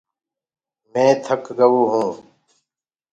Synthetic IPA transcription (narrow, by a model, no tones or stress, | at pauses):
mẽːt̪ʰəkɡəʋuːɦũː